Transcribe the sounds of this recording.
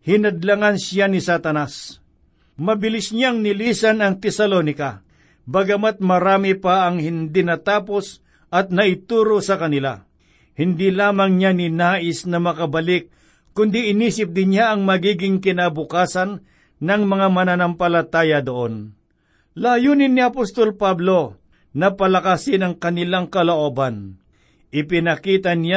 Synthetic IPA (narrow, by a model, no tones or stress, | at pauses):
hɪnɐd̪lɐŋansɪjanɪsat̪ɐnas | mɐbɪlɪsɲaŋnɪliːsɐnɐŋt̪ɛsɐloːnɪka | bɐɡɐmat̪̚mɐɾaːmɪpaɐŋhɪnd̪inɐt̪aːpo̞s | ʔɐt̪̚nɐʔɪt̪uːɾo̞sɐkɐnɪla̰ | hɪnd̪ilaːmɐŋɲanɪnaːʔɪsnɐmɐkɐbɐlɪk̚ː | ʊnd̪iɪniːsɪp̚d̪ɪnjaʔɐŋmɐɡiːɡɪŋkɪnabʊkaːsɐnː | ɐŋmɐŋamɐnanɐmpɐlɐt̪aːjɐd̪oʔon | laːjuːnɪnːɪɐpost̪o̞lpablo̞ | nɐpɐlɐkasɪnɐŋkɐnɪlaŋkɐloʔoːbɐn | ʔɪpɪnɐkiːt̪ɐnja